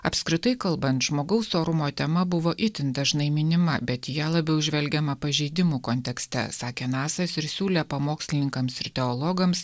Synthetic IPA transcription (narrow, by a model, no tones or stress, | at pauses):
ɐpʲskɾʲɪt̪ɐɪkɐlˠbɐnt̪ʒmoːɡɐʊsoːɾʊmoːt̪ʲɛmɐbʊʋoːʔɪt̪ʲɪnd̪ɐʒnɐɪmʲɪnʲɪmɐbʲɛt̪jælˠɐbʲɛʊʒʲʋʲɛlʲɡʲɛmɐpɐʒʲɛɪd̪ʲɪmuːkonʲt̪ʲɛksʲt̪ʲɛ̰sɑːkʲeːnɑːsɐsɪɾsʲuːlʲɛpɐmoːksʲlʲɪnʲɪŋkɐmsɪɾt̪ʲɛɔlˠɔɡɐms